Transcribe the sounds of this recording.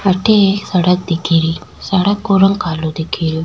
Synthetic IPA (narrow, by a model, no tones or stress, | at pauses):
ɐʈːesɐɽɐk̚d̪ikːiɾisɐɽɐkːuɾɐŋkaːlud̪ikʰiɾi